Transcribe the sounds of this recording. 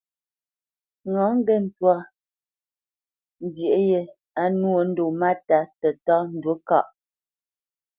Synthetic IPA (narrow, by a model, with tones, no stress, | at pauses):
ŋɔ˨˦ŋ˦ɡe˦˨n̩˦twa˦˨ | n˦dje˨ʔje˨ | a˨˦nu˦o˨n̩˦do˨ma˦ta˨˦tɛ˨tɔ˦n̩˦˨dwə˨˦ka̰˦˨ʔ